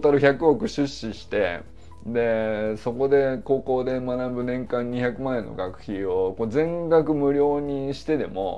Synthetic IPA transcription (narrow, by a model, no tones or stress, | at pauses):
t̪aɾɯ̟çakɯ̟okɯ̟ɕɨɕːiɕi̥t̪e̞̰ | d̪e̞so̞ko̞d̪e̞ko̞ːko̞ːd̪e̞manabɯ̟nẽ̞ŋkãɲ̟ːiçakɯ̟maẽ̞nːo̞̰ɡakɯ̟̥çio̞ko̞d͡zẽ̞ŋɡakɯ̟mɯ̟ɾʲo̞ːɲ̟iɕi̥t̪e̞d̪e̞mo̞̰